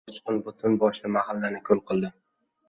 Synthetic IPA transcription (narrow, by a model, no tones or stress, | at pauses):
t͡ʃʰqʊnbʊt̪ʰʊnbɒʃlamahalːanɪkʲʰolˠqʰɨlˠd̪ɪ